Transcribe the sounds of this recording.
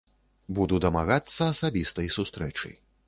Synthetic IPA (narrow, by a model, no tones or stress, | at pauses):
bud̪ud̪ɐmaɣat̪sːɐːsabʲist̪ɐjsust̪ɾɛt͡ʂɐ̰j